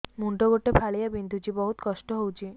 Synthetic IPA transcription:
muɳʈoɡoʈepʰaɭijabind̪ʱut͡ʃibɔɦut̪kɔsʈɔɦowt͡ʃʰi

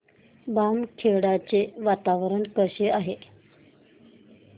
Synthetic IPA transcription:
bamkʰeɽat͡seʋat̪aʋɾəɳkəɕeaɦe

